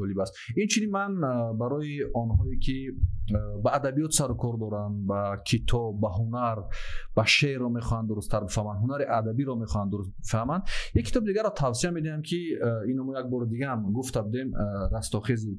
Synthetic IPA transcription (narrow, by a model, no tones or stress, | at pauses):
d͡ʒɔlibast̪int͡ʃʰininmanbaɾɔiɔnhɔekʰi | baːd̪abijɔt̪saɾukʰɔɾd̪ɔɾanbakʰit̪ʰɔbːaɦunaɾb̥aʃeɾːɔme̞χɔhand̪uɾust̪ʰaɾbifahmand̪ɦunaɾiʔad̪abiɾɔmeχɔand̪uɾust̪bifahmand̪jakʰːi̥t̪ʰɔbid̪iɡaɾːɔt̪ʰavsiamed̪ihamkʰiinamujaɡ̚bɔɾid̪iɡamɡuft̪ʰabud̪e̞mɾast̪ɔχezi